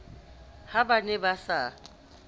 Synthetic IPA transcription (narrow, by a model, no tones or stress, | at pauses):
habanɛbasa